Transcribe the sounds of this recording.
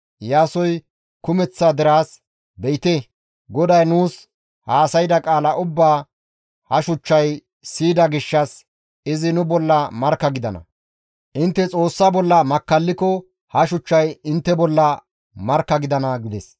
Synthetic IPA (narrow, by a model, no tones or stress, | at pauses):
jaːsɔj | kʊmɛt͡sːaːd̪ɪɾaːs | bɛjɪt̪e | ɡɔd̪ɐjnuːs | haːsɐjd̪ɐkʼaːlɐʔʊbːaː | hɐʃʊt͡ʃːɐj | siːd̪ɐɡɪʃːɐs | ɪzɪnʊbɔlːɐmɐɾkːɐɡɪd̪ɐnɐ̰ | ʔɪnt̪ːɛt͡sʼo̞ːsːaːbɔlːɐmɐkːɐlːɪkɔ | hɐʃʊt͡ʃːɐjɪnt̪ːɛbɔlːɐ | mɐɾkːɐɡɪd̪ɐnɐɡɪd̪ɛs